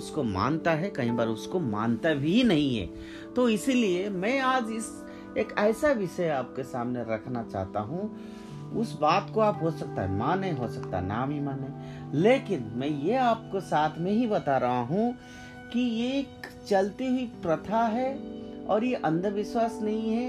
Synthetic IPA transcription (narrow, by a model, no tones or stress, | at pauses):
ʊskomã̰ːnt̪aɦɛkɐɦĩbaːɾʊskoma̰ːnt̪abʱinɐɦĩɦɛ̰ː | t̪oɪsiliemɛ̃ːaːd͡ʒɪs | eːkɛːsaʋɪʃəeaːp̚kesaːmneɾɐkʰnat͡ʃa̰ːɦt̪a̰ɦũ | ʊsbaːt̪koaːpɦosɐk̚t̪a̰ɦɛ̰maːnĩɦosɐkt̪a̰na̰ːmimaːnɛ̃leːkɪnmɛ̃jeaːp̚kosaːt̪ʰmẽɦibɐt̪aɾɐɦaɦũ | kijeːk | t͡ʃɐlt̪iɦʊipɾɐt̪ʰaɦɛɔ̰ːɾjeʔɐ̃nd̪ʱəʋɪʃwaːsnɐɦĩɦɛ